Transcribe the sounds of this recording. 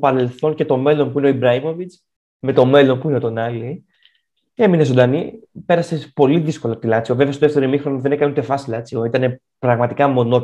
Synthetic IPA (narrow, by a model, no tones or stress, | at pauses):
opɐɾe̞lθo̞nce̞t̪o̞me̞lo̞npuineo̞ibɾɐimo̞vit͡s | me̞t̪o̞me̞lo̞npuine̞t̪onɐli | eminezond̪ɐnipe̞ɾɐsepo̞liðisko̞lɐot̪ilɐt͡sio̞vevest̪oðeft̪e̞ɾimixɾo̞niðenekɐnunt̪e̞fɐsilɐt͡sioit̪ɐne̞ | pɾɐɣmɐt̪ikɐmo̞no